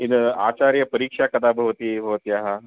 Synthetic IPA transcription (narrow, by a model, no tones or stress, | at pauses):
inat͡ɕaɾjəpəɾiːkʂakɐt̪abʱɐʋt̪iːbʱɐʋt̪iaɦa